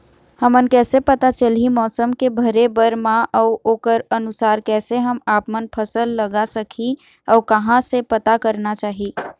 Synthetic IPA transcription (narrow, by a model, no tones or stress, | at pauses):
həmənkɛːsepət̪at͡ʃəlimɔːsəmkebʱəɾebəɾmãʔɔːoːkəɾənʊsaːɾkɛːseɦəmaːpmənpʰəsəlːəɡasəkʰi | ɔːɾkəɦãsepət̪akəɾnat͡ʃaːɦi